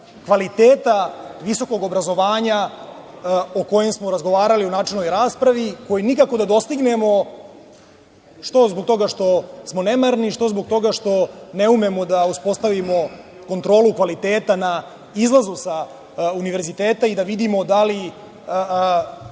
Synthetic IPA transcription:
kʋalit̪eːt̪aʋiso̞ko̞ɡo̞bɾazo̞ʋaːɲa | oko̞jemsmo̞ɾazɡo̞ʋaːɾaliunaːt͡ʂelnojɾaːspɾaʋiko̞jinikako̞d̪ad̪o̞st̪iɡnemo̞ | ʂt̪o̞zbok̚t̪o̞ɡaʂt̪o̞smo̞nemaɾniʃt̪o̞zboɡ̚t̪o̞ɡaʂt̪o̞ne̞umemo̞d̪auspo̞st̪aʋimo̞ | ko̞nt̪ɾo̞ːlukʋalit̪eːt̪ana | izlˠazusa | uniʋe̞ɾzit̪eːt̪aid̪aʋid̪imo̞d̪ali

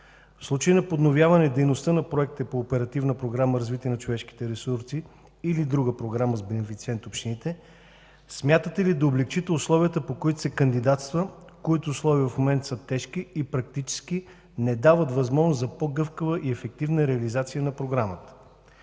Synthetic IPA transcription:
fslˠut͡ʃəjənɐpod̪novjavɐnɛd̪ɛjnost̪ənɐpɾoɛk̚t̪əpoːpɛɾɐt̪ivnəpɾoɡɾaməɾɐzvit̪iɛnɐt͡ʃovɛʃki̥t̪ɛɾɛsuɾsiː | lid̪ɾuɡəpɾoɡɾaməzbɛnɛfit̪siɛnt̪opʃt̪init̪ɛ | smʲjat̪ət̪ɛlid̪ɐoblɛkt͡ʃit̪ɛʊslˠɔviət̪əpokoit̪o̥sɛkɐnd̪id̪at̪st̪və | koit̪oːslˠɔviəfmomɛnt̪sət̪ɛʃk̟iːpɾɐk̚t̪it͡ʃɛ̥ski | nɛd̪avət̪vɐzmɔʒnoszɐpoɡɤfkəvəʔiɛfɛk̚t̪ivnəɾɛɐlizat̪sijənɐpɾoɡɾamət̪ə̥

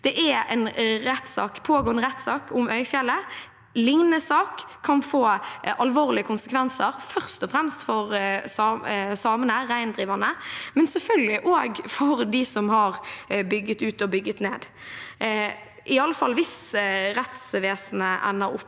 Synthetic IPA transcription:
d̪̥ɛʔæɛ̰ɪnɾɛt̪sɑ̰ːkpʰoːɡoːənəɾɛt̪sɑːkʰʊmœʏfjɛlːə | lɪŋnnəsɑːkʰː | ɑnfoːʔɑlʋoːʁlɪəkʰʊnsəkʰʋɛnsəɾfœʁst̪ɔfɾɛmst̪fɔɾsɑsɑːmənəɾæɪnd̪ɾiːʋɑnəmɛnsɛfœlɡəlɪʔoːɡfɔɾd̪ɪsɔmhɑɾbʏɡːət̪ʉːt̪ɔbʏɡːət̪neːd̪ | ʔɪɑlːəfɑlːʋɪsɾɛt̪sʋeːsn̩əʔæ̰nːəɾʊ̰pː

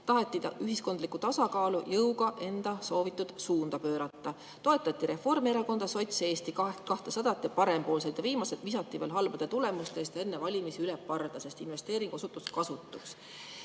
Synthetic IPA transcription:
t̪ɑɦet̪ːˑid̪ɑ̰ʔyɦisko̞nd̪likːˑut̪ɑsɑkɑːlujɤwɡ̥ɑʔe̞nd̪̥ɑso̞ːvit̪ːˑud̪̥suːnd̪̥ɑpø̞ːɾɑt̪ːɑ | t̪o̞et̪ːˑɑt̪ːiɾe̞fo̞rmeɾɑko̞nd̪̥ɑso̞jt̪se̞ːst̪ikɑkɑht̪esɑd̪̥ɑt̪ːˑipɑɾe̞mpo̞ːlset̪jɑviːmɑset̪misɑt̪ˑːiveːlɦɑlbɑd̪̥et̪ule̞must̪e̞ːst̪jɑe̞nːevɑlʲimisiylɛpːɑrd̪̥ɑse̞st̪inve̞st̪e̞ːɾiŋɡ̥uo̞sut̪ːˑuskɑsut̪ːˑuks

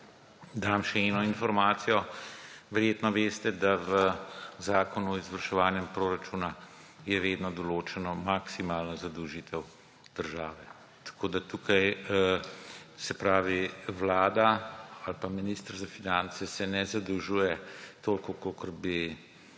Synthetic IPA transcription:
d̪amʃɛɛnɔinfɔɾmaːt̪sijɔʋɛɾjeːt̪nɔʋeːst̪ɛd̪aʋəzaːkɔnuɔizʋəɾʃɛʋaːnjɛmpɾoːɾat͡ʃuːna | jɛʋeːd̪nɔd̪ɔloːt͡ʃɛnɔmaksimaːlnazad̪əwʒiːt̪ɛw | d̪̥əɾʒaːʋɛ | t̪ḁkʰoːd̪at̪uːkaj | sɛpɾaːʋiʋlaːd̪aalpaminiːst̪əɾzafinant̪sɛsɛnɛzad̪əwʒuːjɛt̪oːlkɔkokəɾbi

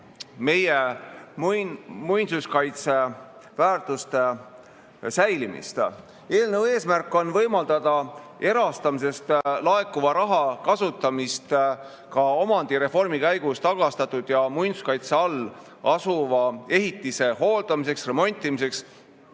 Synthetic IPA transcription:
me̞je | mujnsuskɑjt̪se̞væːrt̪ˑust̪e | sæjlimḭst̪ | e̞ːlnewe̞ːsmærkːˑo̞nvɤjmɑld̪̥ɑd̪̥ɑe̞ɾɑst̪ɑmis̬e̞st̪lɑe̞kːˑuvɑɾɑɦɑkɑsut̪ːˑɑmist̪ | kɑo̞mɑnd̪̥iɾe̞fo̞rmikæjɡ̥ust̪ɑɡ̥ɑst̪ɑt̪ːˑud̪̥jɑmujnsu̥skɑjt̪se̞ɑlː | ɑsuvɑe̞ɦit̪ːˑise̞ɦo̞ːld̪̥ɑmise̞ksre̞mo̞nʲt̪ːˑimise̞ks

